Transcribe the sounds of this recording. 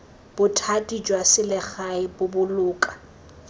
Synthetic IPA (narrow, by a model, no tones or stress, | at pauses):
b̥ʊtʰatʼid͡ʒwasɪlɪχaɪbʊbʊlʊːkʼḁ